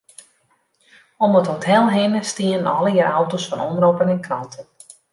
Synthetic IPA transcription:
ɔməthotʰɛlˠɦɪnəstiənənɔ̰ləjəɾawtosfɔnɔmropənɛnkrɔntʰən

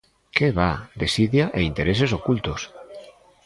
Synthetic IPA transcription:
keβad̪esiðjaʔeint̪eɾesesokult̪os

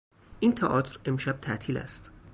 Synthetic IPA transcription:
ʔiːnt̪ʰæʔɒːt̪ʰɾe̞mʃæb̥̚t̪ʰæʔt̪ʰiːlæ̰st̪

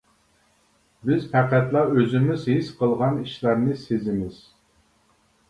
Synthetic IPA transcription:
bɪzpʰæqæt̪lˠɑøzɪmɪzhisqʰəlˠʁɑniʃlˠɑɾnɨsezɪmɪz̥

